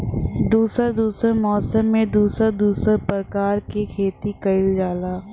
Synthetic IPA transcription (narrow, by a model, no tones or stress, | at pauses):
d̪uːsəɾd̪uːsəɾmɔːsəmːẽd̪uːsəɾd̪uːsəɾpɾəkaːɾkekʰeːt̪ikɐɪld͡ʒaːlaː